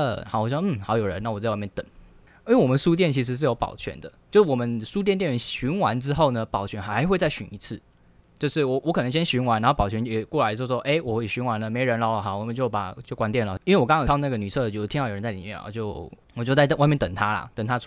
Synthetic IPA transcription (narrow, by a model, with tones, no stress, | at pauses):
ə˧˩xɑ˨˩wɔ˨˩ɕjm̩˥˩xɑ˧˥ʊjo˨˩ʊɻə˧˦na˥˩wɔ˨˩t͡sa˥˧wa˥˧mjɛ˥˩t̪ə˨˩˦ŋ | i˥we˥˩wɔ˨˩mə˨˦ʂu˥t̪̬jɛ˥˩nt͡ɕʰi˧˥ʂ̬ɻ̩˧˥ʂ̬ɻ̩˥˩jo˧˥pɑ̰˨˩ʊt͡ɕʰɥɛ̰˧˦nd̪ə˨t͡ɕjo˥˧ʊʂ̩˥˩wɔ˨˩mə˦nsu˥t̪jɛ˥˧nt̪jɛ˥˨nɛ˧˥nɕy˧˥nwa˧˦nʈ͡ʂɻ̩˥xo˥˩ʊnə˨pɑ˨˩ʊt͡ɕʰɥɛ˧˥nxa˧˥ɪxwe˥˧ɪt͡sa˥˩ɪɕy˧˥ni˧˥t͡s̩ʰ˥˩ | t͡ɕjo˥˧ʊʂɻ̩˥˩wɔ˨˩wʔɔ˧˥kʰɤ˨˩nə˧˥ɕjɛ˥nɕy˧˥ŋwa˧˥nɻa˧˥o˥˩pɑ˨˩ʊt͡ɕʰɥɛ˧˥njɛ˨˩kwɔ˥˩la˨˧ɪ˧˥˩wɔ˥ʔe˥˩ɪwɔ˨˩xwe˥˩ɕy˧˥nwa˧˦˥nlə˨me˧˥ɪɻə˧˦nlɑ˧˥ʊlə˨˩a˨˩wɔ˨˩mə˨˦nt͡ɕjo˥˩ʊpa̰˨˩˨t͡ɕjo˥˩ʊkwa˧˥nt̪̬jɛ˥˩nlə˨i˥nwe˥˩wɔ˨˩kŋʰɑ˨˩˨ɑ˥˧ŋna˥˩ɡə˩ny˨˩ɤ˥˧d̪ə˨t͡ɕo˥˩˥t̪ʰi˥˩jo˨˩ɻə˦t͡sa˥˩li˨˩mjɛ̰˥˨a̰˨˩t͡ɕjo˥˩ʊ | wɔ˨t͡ɕo˥˧ʊt͡sa˥ɪt̪wa˥˧mjɛ˥˨nt̪ə˨˩ŋt̪ʰa˥lɐ̰˨t̪ə˨˩ŋt̪ʰa˥